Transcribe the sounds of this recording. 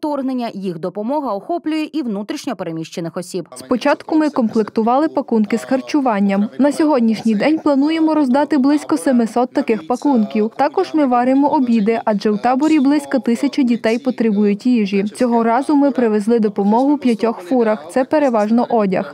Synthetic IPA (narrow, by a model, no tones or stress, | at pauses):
t̪ɔrɦnenʲːɐjixd̪ɔpɔmɔɦɐɔxɔplʲʊjɛʔiwnut̪ɾʲiʃnʲɔpeɾemʲiʃt͡ʃenɪxɔsʲibspɔt͡ʃɑt̪kʊmɪkɔmplˠɪkt̪ʊʋɑlˠɪpɐkunkɪzxɐrt͡ʃʊʋɑnʲːɐmnɐsʲɔɦɔdʲnʲiʃnʲijd̪ɛnʲplˠɐnujemɔɾɔzd̪ɑt̪ɪblˠɪsʲkɔsemɪsɔt̪ːɐkɪxpɐkunkʲiwt̪ɑkɔʒmɪʋɑɾɪmɔʔɔbʲid̪ɪʔɐd͡ʒɛwt̪ɑbɔɾʲiblˠɪsʲkɔt̪ɪsʲɐt͡ʃɪdʲit̪ɛjpɔt̪ɾɪbujʊtʲiʒit͡sʲɔɦɔɾɑzʊmɪpɾɪʋezlˠɪd̪ɔpɔmɔɦʊwpʲjɐtʲɔxfuɾɐxt̪sɛpeɾeʋɑʒnɔʔɔdʲɐ̰x